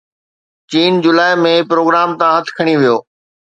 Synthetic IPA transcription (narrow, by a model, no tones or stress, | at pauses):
t͡ɕiːnd͡ʑʊlaːɪmẽpɾoːɡɾaːmt̪ãɦɐt̪ʰkʰɐɽ̃iʋijoː